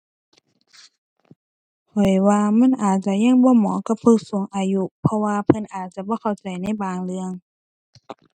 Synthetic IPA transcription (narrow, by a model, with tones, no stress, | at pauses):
kʰɔ˨˩jwaː˧ma˧˥˨nʔaː˨˩t̪̚t͡ɕa˧˦ɲa˧˥˨ŋbɔː˧˦mɔː˨˦ka˧˦pʰu˧˨k̚su˨˦ŋʔaː˨˧ju˧˥pʰɔ˧waː˧pʰɤ˧˥nʔaː˨˩t̪̚t͡ɕa˧˦bɔː˧˦kʰa˧˩wt͡ɕa˨˩jna˧˥˨jbaː˨˩ŋlɯ˧əŋ